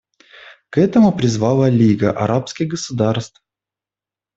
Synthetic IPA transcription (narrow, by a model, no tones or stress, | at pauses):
kɛt̪əmʊpɾʲɪzvalˠəlʲiɡəʔɐ̰ɾapskʲɪɣɡəsʊd̪arst̪f